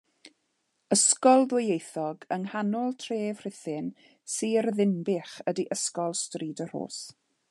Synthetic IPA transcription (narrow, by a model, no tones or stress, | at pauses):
əskɔlˠðwɪjejθɔɡəŋhanɔlˠtʰreːv̥r̥ɪθɪn | siːrðɪnbɪχədiʔəskɔlˠstriːdər̥o̰ːs